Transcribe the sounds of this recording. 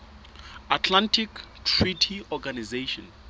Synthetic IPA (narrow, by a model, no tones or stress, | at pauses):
atʰlãntʰiktʰritʰiɔɡanizeʃɔ̰̃n